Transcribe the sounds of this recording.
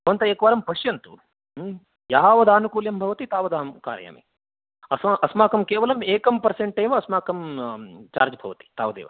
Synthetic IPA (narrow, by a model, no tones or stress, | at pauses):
ɐnt̪ɐeːkʋaːɾɐmpɐʃjɐnt̪ṵ | jaːʋɐd̪aːnukuːljɐmbʱɐʋɐt̪it̪aːʋɐd̪aːmka̰ːɾja̰ːmḭ | ɐsmaʔɐsmaːkɐmkeːʋɐlɐmeːkɐmpɐɾseɳʈeːʋɐɐsmaːkɐmt͡ʃa̰ːɾd͡ʒɐbʱɐʋɐt̪i̥t̪a̰ːʋɐd̪ḛːʋɐ̰